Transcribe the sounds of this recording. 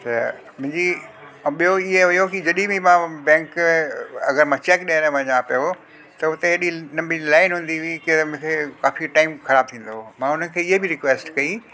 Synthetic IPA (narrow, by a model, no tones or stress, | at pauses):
t̪ɐ | mʊ̃ɦɪ̃ɲd͡ʑi | ɓijoɪɦeɦʊjokid͡ʑɐɗibimãbɛ̃ːŋk | ɐ̰ɡəɾmãt͡ɕekɗiəɾ̃mɐ̃ɦɪ̃ɲãːpijo | t̪ɐʊt̪eɦɗinɐbĩlaːɪnɦũːn̆d̪iʋikimʊ̃ɦkʰekaːfiʈaːɪmxɐɾaːb̚t̪ʰĩːn̆d̪omãːʊnəɪ̆kʰeːɪɦebʱɪɾɪkʋeːsʈkɐi